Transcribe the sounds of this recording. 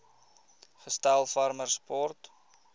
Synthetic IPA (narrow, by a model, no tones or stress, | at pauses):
χəstælˠfɐrmərspɔrt